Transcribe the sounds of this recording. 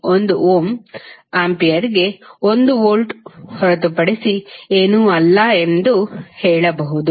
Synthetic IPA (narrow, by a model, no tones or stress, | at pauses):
ond̪uoːmaːmpijɐɾiɡe̞o̞nd̪uʋoːlʈhɔɾɐt̪upɐɽesieːnuːɐlːɐe̞nd̪uhɛːɭɐbɐɦud̪u